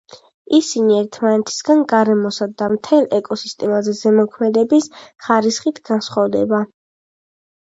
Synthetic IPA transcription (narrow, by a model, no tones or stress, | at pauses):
isiniɛɾt̪ʰmanɛt̪ʰi̥sɡanɡaɾɛmɔsad̪amt̪ʰɛlˠʔɛkʼɔsist̪ʼɛmazɛzɛmɔkʰmɛd̪ɛbisχaɾisχit̪ʰɡ̥ansχɔvd̪ɛ̰ba